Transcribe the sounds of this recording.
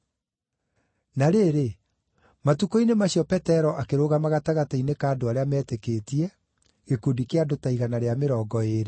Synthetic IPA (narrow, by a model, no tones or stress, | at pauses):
naɾeːɾe | matukoinemaɕjɔpɛtɛɾɔʔakeɾoɣamaɣataɣatainekaːdoaɾeamɛːtekeːtiɛ | ɣekodikeadotaiɣanaɾeameɾɔːɡɔeːɾe